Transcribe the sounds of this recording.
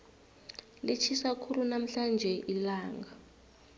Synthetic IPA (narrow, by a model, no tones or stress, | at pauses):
lit͡ʃʰisakʰulunam̩ɬand͡ʒʱɛʔilaːŋɡa